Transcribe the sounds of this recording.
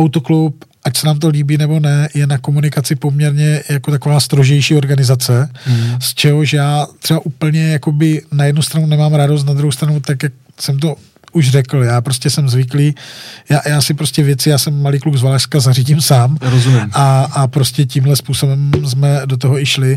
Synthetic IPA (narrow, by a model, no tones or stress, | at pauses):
ʔawt̪oklupʔacsɛnaːmt̪̬o̞liːbiːnɛbo̞nɛjɛnako̞munɪkat͡sɪpo̞mɲɛɾɲɛjako̞t̪akovaːst̪ɾoʒɛjʃiːo̞ɾɡanɪzat͡sɛst͡ʃɛɦoʒɛjaːt̪rɛbaʔuːpl̩ɲɛjako̞bɪnajɛdnust̪ɾanunɛmaːmɾados̬t̪nad̪ɾuɦowst̪ɾanut̪akjak̚ | sɛmt̪̬o̞ | uʒrɛkl̩jaːpɾoscɛsɛmzvɪkliːjaːjaːsɪpɾo̞scɛvjɛt͡sɪjaːsɛmːaliːkluɡzvalaʃskazariɟimsaːmɾozumimaapɾo̞scɛcimɦlɛspuːsobɛmzmɛdo̞t̪̬oɦoɪʃlɪ